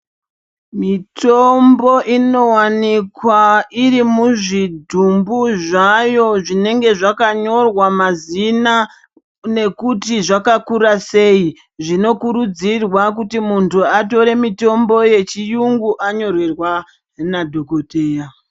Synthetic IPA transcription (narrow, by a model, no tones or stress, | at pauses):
mitʰombo̞ʔino̞wanikwairimuʐidʱumbuʐajo̞ʐine̞ŋɡe̞ʐakaɲo̞rwamazina | ne̞kutiʐakakuɾase̞i | ʐino̞kuɾud͡zirwak̬utimuntuato̞ɾe̞mito̞mbo̞je̞t͡ʃijuŋɡuʔaɲo̞rwerwa | nadʱokoteja